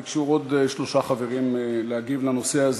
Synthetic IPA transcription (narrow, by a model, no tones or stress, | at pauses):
kʃuʁod̪eʃlo̞ʃaχaveʁimleaɡivlano̞seaz